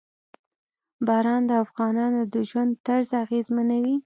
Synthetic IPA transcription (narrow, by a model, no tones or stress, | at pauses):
bɑɾɑnd̪əafɣɑnɑnod̪əʒwand̪t̪aɾzaɣezmanawi